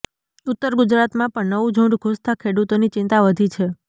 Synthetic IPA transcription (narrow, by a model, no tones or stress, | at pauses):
ʊt̪ːəɾɡʊd͡ʒɾat̪mãpəɳnəʋud͡ʒʱũɳɖɡʱust̪ʰakʰeɽut̪onit͡ʃɪ̃nt̪aʋəd̪ʱit͡ʃʰe